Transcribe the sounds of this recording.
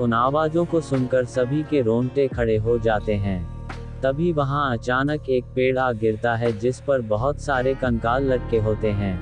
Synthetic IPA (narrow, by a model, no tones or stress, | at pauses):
ʊnaːʋaːzõkosʊnkəɾsɐbʱikeɾõːɳʈekʰɐɽeɦod͡ʒaːt̪eɦɛ̃ː | t̪ɐbʱiʋɐɦãɐt͡ʃaːnəkeːk̚peːɽaɡɪɾt̪aɦɛd͡ʒɪspɐɾbɐɦʊt̪saːɾekɐ̃ŋkaːlːɐɽkeɦoːt̪eɦɛ̃ː